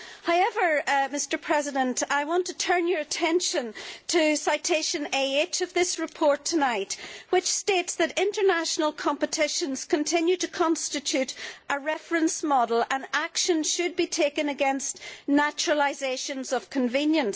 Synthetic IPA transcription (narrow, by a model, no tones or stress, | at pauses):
haʊɛvə˞mɪstə˞pʰɹ̥ɛzɪdə̃ntaɪwɑ̃ntʰətʰɜ̃˞njə˞ɨtʰɛ̃nʃə̃ntʰɨsaɪtʰeʃɨ̃neet͡ʃʌvðɪsɹɨpʰɔɹtʰənaɪtwɪt͡ʃstetsðɨɾɪ̃ntə˞naʃnəlˠkʰɑ̃mpɨtʰɪʃə̃nz̥kʰə̃ntʰɪ̃njʉɾtɨkʰɑ̃nstɨt͡ʃʰʉɾəɹɛfɹə̃nsmɔɾl̩ˠə̃nakʃə̃nʃɨd̚bitʰekɨ̃nəɡɛ̃nstnat͡ʃɹəlˠaɪzeʃə̃nzʌv̥kʰə̃ɱvĩnjə̃ns